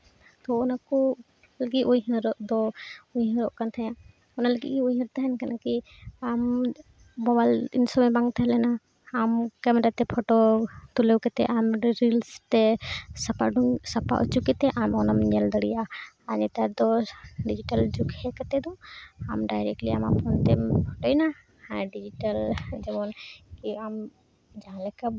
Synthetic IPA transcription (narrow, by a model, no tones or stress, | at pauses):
t̪ɔɔnaku | ləɡiʔujɦɛ̃ɾɔʔd̪ɔujɦɔ̃ɾɔʔkant̪ʰajã | ɔnaləɡḭʔkiujɦəɾt̪aɦɛnkanaki | am | bɔbalḭnsɔmɛbaŋt̪ʰaɦɛlɛna | amkamɛɾat̪ɛpʰɔʈɔt̪ulewkɛt̪ɛʔamɾilst̪ɛsapaɖusapa̰ʔɔt͡ʃukɛt̪ɛʔamɔnamɲɛld̪əɽija | aɲɛt̪ad̪ɔɖid͡ʒiʈald͡ʒukɛkɛt̪ɛd̪ũamɖajɾek̚ʈliama̰pɔnt̪ɛpʰɔʈɔjna | hãɖid͡ʒiʈald͡ʒɛbɔnkiam | d͡ʒaɦãlɛka